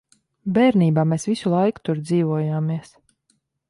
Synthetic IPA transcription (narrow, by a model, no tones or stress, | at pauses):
bɛːɾniːbaːmeːsvisulˠajku̥t̪uɾd̪ziːvuɔjaːmiɛs